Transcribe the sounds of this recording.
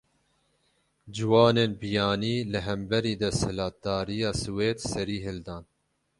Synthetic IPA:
d͡ʒɪwɑːneːnbijɑːniːlɨɦɛmbɛɾiːd̪ɛshɨlɑːd̪ɑːɾijɑːsɨweːd̪sɛɾiːɦɨld̪ɑːn

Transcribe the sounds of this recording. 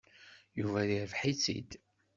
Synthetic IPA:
juvæðiɾvħit͡sːḭd̪

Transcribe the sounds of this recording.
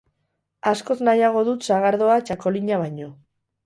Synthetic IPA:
asko̞znajaɣ̞o̞ðut̪saɣaɾðo̞at͡ʃako̞liɲaβaɲo̞

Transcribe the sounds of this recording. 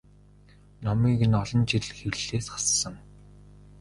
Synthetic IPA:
nɔmiːɣɘ̆nɔɮɞ̆nt͡ɕiɮxewɮeːsχḁsːə̆ŋ

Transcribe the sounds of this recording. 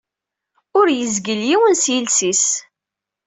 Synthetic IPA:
ʊɾjəzɡəljiwənsjilsis

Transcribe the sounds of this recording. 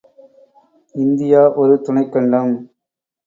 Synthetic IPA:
ɪnd̪ɪjaːʔɔɾɯt̪ʊɳɐɪkːɐɳɖɐm

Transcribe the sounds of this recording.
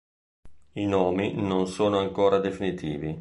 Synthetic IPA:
inoːminonsoːnoaŋkoːɾad̪efinit̪ʰḭːvi

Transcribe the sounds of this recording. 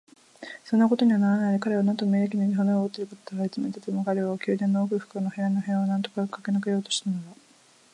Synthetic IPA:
sonːako̞t̪oɲ̟iβanaɾanaiɾekaɾe̞βanãnt̪o̞meːek̬ʲinoɡʲiɦõneoːt̪ːeɾɯkot̪ot̪aaet͡sɨmet̪at̪emokaɾe̞βakʲɯːd̪ẽ̞nːoːkɯ̟ɸɯ̥kɯnohe̞ɾanoɦeβanãnt̪o̞kakakenakejo̞ːt̪oɕi̥t̪anoɾa

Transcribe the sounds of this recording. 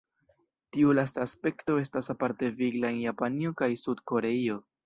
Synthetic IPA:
tiulas̬taːspe̞kto̞e̞stasapaɾte̞viɡlaenjapanio̞kajsudko̞ɾe̞io̞

